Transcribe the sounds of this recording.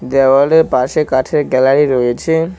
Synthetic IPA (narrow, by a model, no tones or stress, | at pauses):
d̪ɛbaɾɖeɾpaʃekaʈʰeɾɡɛlaɾiɾojet͡ɕʰe